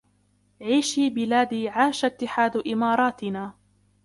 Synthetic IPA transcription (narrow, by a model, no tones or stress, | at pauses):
ʕiːʃiːbɪlaːd̪iːʕaːʃat̪ːɪħaːd̪ʔɪmɑːɾˤɑːt̪ɪnaː